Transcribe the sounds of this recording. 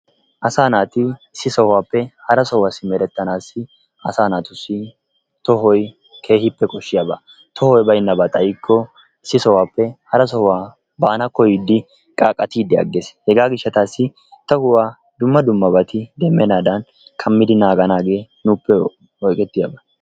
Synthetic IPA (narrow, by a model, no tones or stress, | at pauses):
ʔɐsaːnaːt̪ɪɪsːɪsɔhaːpːɛhɐɾɐsɔwasɪmɛɾɛt̪ːɐnaːsːɪ | ɐsaːnaːt̪ʊsːɪ | t̪ɔɦɔj | kʰe̞ːhɪpːɛkʼɔʃːɪjabɐ | t̪ʰɔhɔjbɐjnːɐbɐt̪ʼɐjɪkʰːɔ | ɪsːɪsɔwaːpːɛhɐɾɐsɔwaː | baːnɐkːɔjid̪ːɪ | kʼaːkʼɐt̪iːd̪ːɛɐ̰ɡːeːshɛɡaːɡɪʃːɐt̪aːsːɪ | t̪ɐhʊwaː | d̪ʊmːɐd̪ʊmːɐbɐt̪ɪd̪ɛmːɛnaːd̪ɐn | kʰɐmːɪd̪ɪnaːɡɐnaːɡe̞ː | nuːpːɛ | ɔjkʼɛt̪ːɪjabɐ